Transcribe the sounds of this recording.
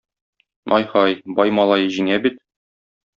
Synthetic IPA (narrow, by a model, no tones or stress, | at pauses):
ɒ̰jhɑjbɒjmɑlˠɑjɤʑiŋæbit̪